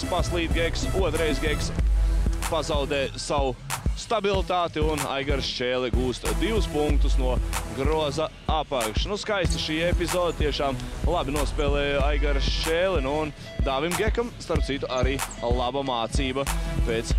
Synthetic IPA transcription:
paslˠiːt̪̚ɡʲeksuɔt̪ɾɛjzɡɛks | pazawd̪ɛːsawust̪abilˠit̪aːt̪iuna̰jɡaɾʃt͡ʃeːlˠɛɡuːst̪d̪iwuspuŋk̚t̪usnuɔɡɾuɔza | apakʃnuskajst̪ɐʃiːepizoːd̪at̪iɛʃaːmlˠabinuɔspɛːlˠɛːjajɡaɾʃt͡ʃeːlɛnuːn | d̪aːvimɡekamst̪aɾp̚t̪sit̪uʔaɾiːlˠabamaːt̪siːbɐpeːt̪s

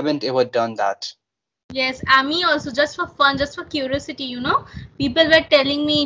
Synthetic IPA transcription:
æbə̃ntɛʋədʌ̃nd̪æ̰t | jɛsamĩɔːlsod͡ʒʌsʈfɔfʌ̃nd͡ʒʌsʈfɔkjuɾiɔsɪʈijunoːpiːpəlwəʈɛlɪ̃ŋmi

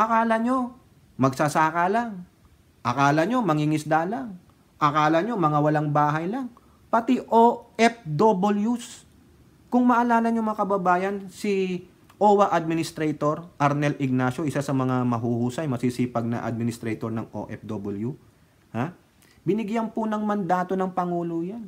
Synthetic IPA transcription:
ʔɐkaːlɐɲo̞ | mɐɡ̚sasaːkɐlaŋ | ʔɐkaːlɐɲo̞mɐŋiŋɪsd̪alaŋ | ʔɐkaːlɐɲo̞mɐŋawɐlaŋbaːɦɐjlɐŋ | pɐt̪iʔoʔɛp̚d̪oboljus | kʊŋmɐʔɐlaːlɐɲomɐŋakɐbɐbaːjɐnsi | ʔoːwɐʔad̪̚mɪnɪst̪ɾɛjt̪o̞ɾʔɐɾnɛlʔɪɡ̚nasjo̞ʔɪsasɐmɐŋamɐɦuhuːsɐjmɐsisiːpɐɡ̚nɐ̰ʔa̰d̪̚mɪnɪst̪ɾɛjt̪oɾnɐŋʔo̰ʔɛp̚d̪obɪlju | ha | bɪnɪɡjanpʊnɐŋmɐnd̪aːt̪o̞nɐŋpɐŋuːlojan

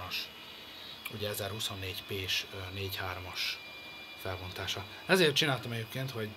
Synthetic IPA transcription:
ɒʃ | uɟɛɛzɛrhusonːeːɟpeːʃneːchaːɾomɒʃ | fɛlbont̪aːʃɒ | ɛzeːrt̪t͡ʃinaːlt̪ɒmɛɟeːpkeːnt̪ho̞ɟ

